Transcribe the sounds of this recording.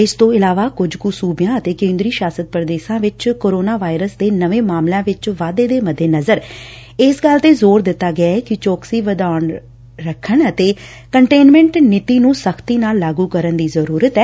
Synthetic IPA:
ɪst̪õːɪlaːʋaːkʊd͡ʒkusuːbɪjãːət̪eːkẽːnd̪ɾiːʃaːsət̪̚pɾd̪eːsãːʋɪt͡ʃkoːɾoːnaːʋaːɪɾəsd̪eːnəʋẽːmaːmlãːʋɪt͡ʃʋaːd̪eːd̪eːməd̪eːnəzəɾ | ɪsɡəlt̪eːzoːɾd̪ɪt̪ːaːɡɪaːɛːkɪt͡ʃɔːksiːʋəd̪aːɳ | ɾəkʰːəɳət̪eː | kəɳʈeːnmɛ̃ɳʈnɪt̪iːnũːsəkʰt̪iːnaːlːaːɡuːkəɾənd̪iːzəɾuːɾət̪ɛː

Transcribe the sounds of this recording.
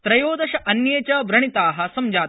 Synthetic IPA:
t̪ɾɐjoːd̪ɐʃɐʔɐnjeːt͡ʃaːbɾɐɳ̃it̪aːɦɐ̆sɐmd͡ʒaː

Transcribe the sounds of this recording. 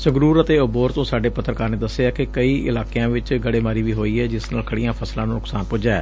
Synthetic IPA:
səɡɾuːɾət̪eːʊboːɾt̪õːsaːɖeːpət̪ʰːəɾkaːɾneːd̪əsːeaːkɪkəiːʔɪ̰laːkeãːʋɪt͡ʃɡəɽeːmaːɾiːʋiːɦoːiːɛːd͡ʒɪsnaːlkʰəɽɪjãːpʰəslãːnũːnʊksaːnpʊd͡ʒaːɛ̰ː

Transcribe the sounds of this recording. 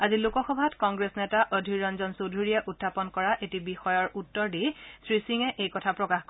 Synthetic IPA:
azilukɔxɔbʱatkɔŋɡɹesnɛtaʔɔdʱiɹɔnzɔnsodʱuɹiɛʔutʰːapɔnkɔɹaʔetibixɔjɔɹutːɔɹdisɹisiŋɛʔejkɔtʰapɹɔkaxk

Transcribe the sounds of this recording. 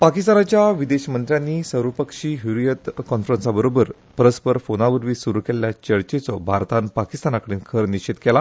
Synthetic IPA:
pakist̪anat͡ɕjaʋid̪eɕmənt̪ɾjanːiːsəɾʋəpəkʂiːɦuɾujət̪kɔnfɾənsabəɾobəɾ | pɾəspəɾfonaʋəɾʋiːsuɾukelljat͡ɕəɭt͡ɕet͡sɔbʱaɾt̪ãnpakist̪anakəɽiːnkʰəɾniɕet̪kela

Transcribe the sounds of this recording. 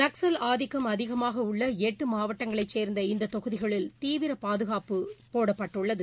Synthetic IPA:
nɐksɐlaːðɪkːɐmɐðɪɣɐmaːɣɐʊɭːɐeʈːɯmaːʋɐʈːɐŋɡɐɭɐɪt͡ʃːeːɾnd̪ɐɪnd̪ɐt̪ɔɣɯðɪɣɐɭɪlt̪iːʋɪɾɐpaːðɯɣaːpɯpoːɽɐpːɐʈːɯɭːɐðɯ

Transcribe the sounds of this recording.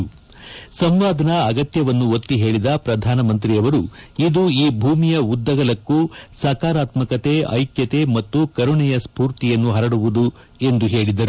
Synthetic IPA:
sɐmʋaːd̪ʱɐnɐːɡɐt̪jɐʋɐnːuot̪ːiɦe̞ːɭid̪ɐpɾɐd̪ʱaːnɐmɐnt̪ɾijɐʋɐɾuid̪uiːbʱuːmijɐud̪ːɐɡɐlɐkːusɐːkaːɾaːt̪mɐkɐt̪e̞ɐ̰jkjɐt̪e̞mɐt̪ːukɐɾuɳɛjɐspuːɾt̪ijɐnːuɦɐɾɐɽuʋud̪u | e̞nd̪uɦe̞ːɭid̪ɐɾu

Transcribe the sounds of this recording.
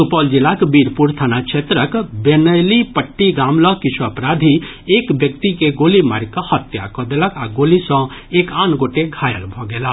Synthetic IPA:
supɔld͡ʒilakbiɾpuɾt̪ʰanakt͡ʃʰet̪ɾəkbenəjlipəʈːiɡamlɔkit͡ʃʰuəəpɾad̪ʱi | ekbjək̚t̪ikeɡolima̰ɾkəhət̪ja̰kɔd̪eləkaɡolisɔ̃ekaːnɡoʈeɡʱajə̰lbʱɔɡela

